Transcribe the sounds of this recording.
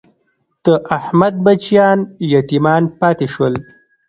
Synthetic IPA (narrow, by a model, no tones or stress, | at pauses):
t̪əʔahmad̪̚bat͡ʃijɑːnjat̪imɑːnpɑːt̪eʃwəl